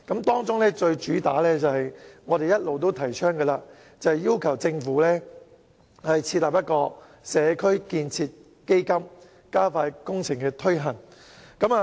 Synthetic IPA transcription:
kɐ˨˥mt̪ɔː˥ŋt͡sʊ˥ŋlɛː˥t͡ʃɵ˧ɥt͡ʃyː˨˥t̪aː˨˥lɛː˥t͡sɐ˨hɐ˨jŋɔː˨˧ɾe˨jɐ˥t̚lo˨wt̪̬o˥wt̪ʰɐ˨˩jt͡ʃʰœː˥ŋɡɛː˧laː˧ | t͡sɐ˨˩hɐ˨jiː˥wkʰɐ˨˩wt͡sɪ˧ŋfuː˨˥lɛː˥ | hɐ˨jt͡sʰiː˧t̚laː˨p̚jɐ˥t̚kɔː˧ | sɛː˨˧kʰɵ˥ɥkiː˧nt͡sʰiː˧t̚ | ke˥jkɐ˥m | kaː˥faː˧jkʊ˥ŋt͡sʰɪ˨˩ŋkɛː˧t̪ʰɵ˥ɥɦɐ˨˩n | kɐ˨˦˥maː˨

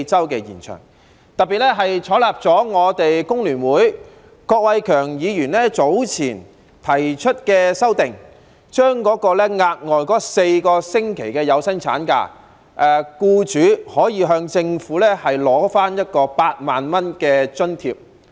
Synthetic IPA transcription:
t͡sɐ˥wkɛ˧jiː˨˩nt͡ʃʰœ̰ː˨˩ŋ | t̪ɐ˨t̚pːiː˨t̚lɛ˥ɦɐ˨jt͡ʃʰɔː˨˥laː˨˩p̚t͡sɔː˨˥ŋɔː˨˧t̪e˨jkʊ˥ŋlyː˨˩nwuː˨˥j | kɔː˧k̚wɐ˨˧jkʰœː˨˩ŋjiː˨˧jyː˨˩nlɛ˥t͡so˨˥wt͡sʰiː˨˩n | t̪ʰɐ˨˩jt͡ʃʰɵ˥t̚kɛː˧sɐ˥wt̪ɪ˨˩ŋ | t͡ʃœː˥ŋkɔː˨˥kɔː˧lɛ˥ŋaː˧t̚ŋɔː˨jkɔː˨˥se˧jkɔː˧sɪ˥ŋkʰe˨˩jkɛː˧jɐ˨˧wsɐ˥nt͡sʰa̰ː˨˥nka̰ː˧ | ʔɛ˨kuː˧t͡ʃyː˨˧˥hɔː˨˥jiː˨˧ɦœː˧ŋt͡sɪ˧ŋfuː˨˥lɛː˥hɐ˨jlɔː˨˥faː˥njɐ˥t̚kɔː˧paː˧t̚maː˨nmɐ˥nkɛː˧t͡ʃɵ˥nt̪ʰiː˧p̚

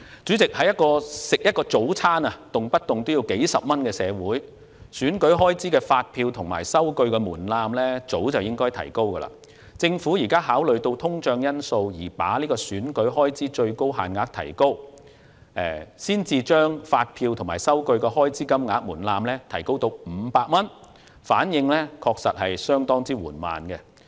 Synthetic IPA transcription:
t͡syː˨˥t͡sɪ˨k̚hɐ˨jɐ˥t̚kɔː˧sɪ˨k̚jɐ˥t̚kɔː˧t͡so˨˥wt͡sʰaː˥nɐ˨t̪ʊ˨ŋpɐ˥t̚t̪ʊ˨˩ŋt̪ʊ˥wji˨˧wke˨˥jsɐ˨p̚mɐ˥nkɛː˧sɛː˨˧wuː˨˥j | syː˨˥nkɵ˨˥ɥɦɔː˥jt͡siː˨˥kɛː˧faː˧t̚pʰiː˧wt̪ʰʊ˨˩ŋma̰ː˨˩jsɐ˥wkɵ˧ɥkɛː˧muː˨˩nlaː˧mlɛː˥t͡so˨˥wt͡sɐ˨wjɪ˥ŋkɔː˥jt̪ʰɐ̰˨˩jko˥wkɐ˧la̰ː˧ | t͡sɪ˧ŋfuː˨˥jiː˨˩kaː˥ɦaː˨˥wlɵ˨ɥt̪o˧wt̪ʰʊ˥ŋt͡ʃœː˧ŋjɐ˥nso˧wjiː˨˩pa̰ː˨˥liː˥kɔː˧syː˨˥nkɵ˨˥ɥɦɔː˥jt͡siː˨˥t͡ʃɵ˧ɥko˥wɦa̰ː˨nŋaː˨˥k̚t̪ʰɐ̰˨˩jko˥w | ʔɛː˨˩siː˥nt͡siː˧t͡ʃœː˥ŋfaː˧t̚pʰiː˧wt̪ʰʊ˨˩ŋmaː˨˩jsɐ˥wkɵ˧ɥkɛː˧ɦɔː˥jt͡siː˥kɐ˥mŋaː˨˧˥k̚muː˨˩nlaː˧mlɛː˥t̪ʰɐ˨˩jko˥wt̪o˧wm̩˨˧paː˧k̚mɐ˥n | faː˨˥njɪ˧ŋlɛː˥kʰɔː˧k̚sɐ˨t̚hɐ˨jsœː˥ŋt̪ɔː˥ŋt͡siː˥wuː˨˩nma̰ː˨nɡɛ˧

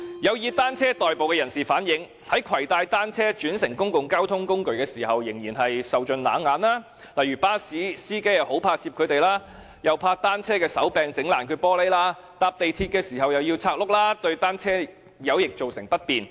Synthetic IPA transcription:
jɐ˨˧wjiː˨˧t̪aː˥nt͡sʰɛː˥t̪ɔː˨jpo˨wkɛː˧jɐ˨˩nsiː˨˩faː˨˥njɪ˨˧˥ŋ | hɐ˨˥jkʰwɐ˨˩jt̪aː˧jt̪aː˥nt͡sʰɛː˥t͡ʃyː˨˥nsɪ˨˩ŋkʊ˥ŋkʊ˨ŋkaː˥wt̪ʰʊ˥ŋkʊ˥ŋkɵ˨ɥkɛː˧siː˨˩ɦɐ˨wjɪ˨˩ŋjiː˨˩nɦɐ˨jsɐ˨wt͡ʃɵ˨˧nla̰ː˨˧nŋaː˨˥nlaː˥ | lɐ˨jɥyː˨˩paː˥siː˨˥siː˥ke˥jɐ˨who˨˥wpʰaː˧t͡sʰi˧p̚kʰɵ˨˧ɥt̪e˨jlaː˥ | jɐ˨wpʰaː˧t̪aː˥nt͡sʰɛː˥kɛː˧sɐ˨˥wpɛː˨ŋt͡sɪ˨˥ŋlaː˨˩nkʰyː˨˧pɔː˥le˥jlaː˥ | t̪aː˧p̚t̪e˨jt̪ʰiː˧t̚kɛː˧siː˨˩ɦɐ˨wjɐ˨˩wjiː˧wt͡sʰaː˧k̚lʊ˥k̚laː˥t̪ɵ˧ɥt̪aː˥nt͡sʰɛː˥ | jɐ˨˧wjɪ˨k̚t͡so˨wsɪ˨˩ŋpɐ˥t̚piː˨n

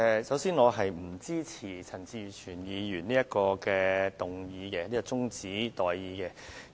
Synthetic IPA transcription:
ɛ˨˧sɐ˨˥wsiː˥nŋɔː˨˧ɦɐ˨jm̩˨˩t͡siː˥t͡sʰiː˨˩t͡sʰɐ˨˩nt͡siː˧t͡ʃʰyː˨˩njiː˨˧jyː˨˩nniː˥jɐ˥t̚kɔː˧kɛː˧t̪ʊ˨ŋjiː˨˧kɛ˧niː˥kɔ˧t͡sʊ˥ŋt͡siː˨˥t̪ɔː˨jːiː˨˧kɛ˧

